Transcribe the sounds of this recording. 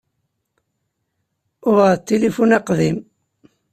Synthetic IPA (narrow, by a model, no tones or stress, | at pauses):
ʊʁət̪ːelifunæqðim